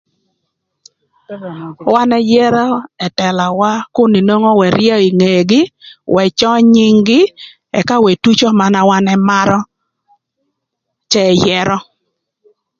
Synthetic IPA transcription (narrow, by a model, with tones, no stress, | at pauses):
wa˦nɛ˦jɛ˦ɾɔ˦ɛ˨tɛ˨la˨wa˦kʊ˦ni˨no˦ŋɔ˦wɛ˨ɾɪjɛ˦i˨ŋe˨ɡɪ˦wɛ˨t͡ʃɔ˦ɲi˦ŋɡɪ˦ | ɛ̰˨ka˦we˨tu˦t͡ʃo˦ma˨na˦wa˦nɛ˦ma˦ɾɔ˦ | t͡ʃɛ˦˨jɛ˦ɾɔ˦